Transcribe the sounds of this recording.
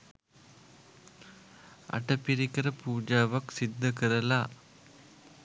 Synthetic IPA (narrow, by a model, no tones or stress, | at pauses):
a̰ʈəpiɾikəɾəpuːd͡ʒaːʋaksid̪ːəkəɾəla